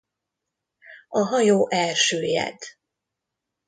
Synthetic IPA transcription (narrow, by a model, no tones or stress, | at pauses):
ɒɦɒjoːʔɛlʃøːjɛ̰d̪